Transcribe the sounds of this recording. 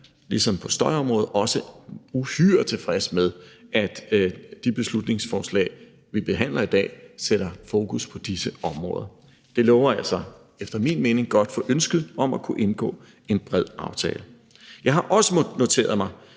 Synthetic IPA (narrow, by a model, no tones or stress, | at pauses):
lisɒ̽mpʰɒ̽sd̥ɒɪɒ̽mʁɔ̽ːð̩ˠɒ̽səuhyːɐ̰̥t͡sʰe̝fʁɛsmeð̞ˠʔæd̥d̥ib̥e̝slud̥ne̝ŋsfɒːslɛ̰ɪ | ʋib̥e̝ɦæn̰lɐid̥ɛ̰ːseɾ̥ɐfo̝ːkʰuspʰɒ̽d̥isəɒ̽mʁɔ̽ːðˠɐ | d̥e̝lɔʊɐælsɑ | efd̥ɐmḭnme̝ːne̝ŋɡ̥ɒ̽d̥fɒ̽ʔønsɡ̥ð̩ˠɒ̽mækʰuʔe̝nɡ̥ɔ̰̽ː | e̝nb̥ʁɛð̞̰ˠɑ̈ʊt͡sʰɛːlə | jɑ̈ɪɦɑ̈ʔɒ̽səno̝t͡sʰe̝̰ːɐð̩ˠmɑ̈ɪ